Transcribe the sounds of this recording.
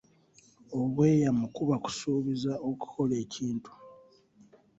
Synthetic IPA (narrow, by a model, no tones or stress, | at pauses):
o̞βwe̞ːjamukuβaku̥suːβizao̞ku̥kʰo̞le̞ːciːntu̥